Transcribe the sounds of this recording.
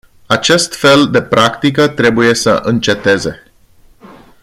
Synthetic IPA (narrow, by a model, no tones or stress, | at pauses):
at͡ʃe̞st̪fe̞ld̪e̞pɾʔakt̪ik̬ət̪ɾe̞buje̞sə̰ʔɨnt͡ʃe̞t̪e̞ze̞